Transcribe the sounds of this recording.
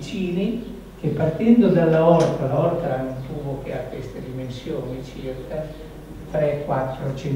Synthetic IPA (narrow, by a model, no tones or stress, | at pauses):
t͡ʃiːni | kepːart̪ɛnd̪od̪alːaɔrt̪alaɔrt̪anːonfuːvokeakːwest̪ed̪imensjoːnit͡ʃirkʰa | t̪ɾɛkːwat̪ːɾot͡ʃi